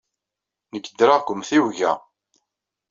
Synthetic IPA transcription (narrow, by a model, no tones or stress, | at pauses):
nəɡəd̪ɾaʁkʷʊmθiwʝæ